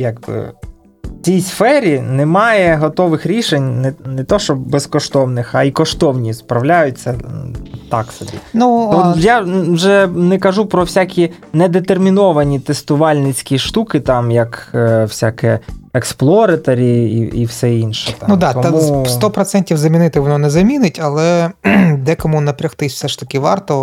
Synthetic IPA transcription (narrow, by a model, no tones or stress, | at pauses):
jaɡ̚bɪ̰ | t͡sʲijsfɛɾʲinɛmɑjɛɦɔt̪ɔʋɪxɾʲiʃenʲnɛnɛt̪ɔʃt͡ʃɔbɛskɔʃt̪ɔwnɪxɐikɔʃt̪ɔwnʲispɾɐwlʲajʊtʲt͡sʲːɐ | t̪ɑksɔbʲḭnuɔjawʒɛnɛkɐʒupɾɔwsʲakʲinɛd̪et̪ermʲinɔʋɐnʲit̪est̪ʊʋɑlʲnɪt͡sʲkʲiʃt̪ukɪt̪ɑmjɐkwsʲakɛɛksplˠɔɾɐt̪ɐɾʲiḭḭwsɛinʃɛ̥t̪nud̪ɑɔmust̪ɔpɾɔt̪sɛnʲtʲiwzɐmʲinɪt̪ɪxʋɔnɔnɛzɐmʲinɪtʲɐlˠɛ | d̪ɛkɔmunɐpɾʲɐxt̪ɪsʲfsɛʃt̪ɐkʲɪʋɑrt̪ɔ